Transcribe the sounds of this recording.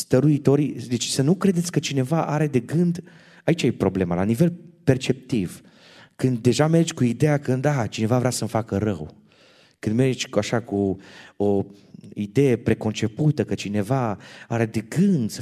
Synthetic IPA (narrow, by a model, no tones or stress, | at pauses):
st̪əɾuit̪o̞ɾid̪et͡ʃʲsənukɾe̞d̪et̪sʲkət͡ʃine̞vaʔaɾe̞d̪e̞ɡɨnd̪ | ait͡ʃajepɾo̞ble̞malanive̞lpe̞rt͡ʃe̞p̚t̪iv | kɨnd̪ːe̞ʒame̞rd͡ʒʲkuid̪ejakɨnd̪at͡ʃine̞vavɾeasəmfakəɾə̰w | kɨnd̪merd͡ʒʲkaʃakuo | id̪e̞je̞pɾe̞ko̞nt͡ʃe̞put̪əkət͡ʃine̞vaaɾe̞d̪e̞ɡɨnd̪sə